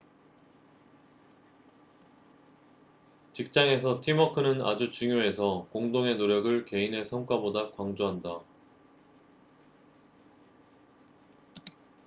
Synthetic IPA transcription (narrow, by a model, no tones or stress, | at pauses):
t͡ɕik̚t͡ɕ͈aŋe̞s̬ʰʌtʰimʌkʰɯnɯna̰d͡ʑut͡ɕuŋjoe̞sʰʌkoŋdoŋe̞noɾjʌɡɯɭke̞inɦe̞sʰʌŋk͈wabodakwaŋd͡ʑoɦanda